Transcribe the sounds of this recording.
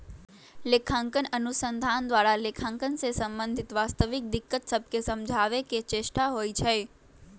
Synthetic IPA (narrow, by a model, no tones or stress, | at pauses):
lekʰãŋkənənusənd̪ʱand̪ʋaɾalekʰãŋkənsesəmbə̃nd̪ʱɪt̪ʋast̪əʋik̚d̪ɪkːət̪səb̚kesəmd͡ʒʱaʋeket͡ʃeʃʈaɦoit͡ʃʰe